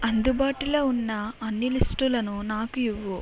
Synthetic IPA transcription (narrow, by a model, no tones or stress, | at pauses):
ɐnd̪ubaːʈiloːunːɐɐnːilisʈulɐnunaːkuiʋːu